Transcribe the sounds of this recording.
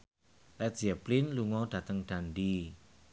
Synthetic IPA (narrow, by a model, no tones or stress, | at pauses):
lɛtzaplinluŋɔɖ̥ä̤t̪əŋɖ̥anɖi